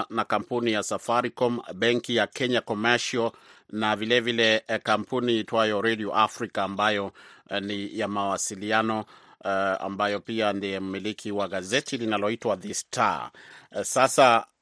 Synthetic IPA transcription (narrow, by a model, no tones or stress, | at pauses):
nakam̩punijasafaɾikɔmbɛŋkijakɛɲakɔmaʃɔlnavilɛvilɛkam̩puniitwajɔɾɛdiɔʔafɾikaːmbajɔnijamawasilianɔ | a̰mbajɔpiandiɛmumilikʰiwaɣazɛtilinalɔitwaðistʰa̰ | sasa